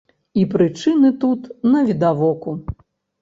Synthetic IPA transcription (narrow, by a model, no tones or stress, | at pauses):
ipɾɨt͡ʂɨnɨt̪ut̪nɐvʲid̪avɔku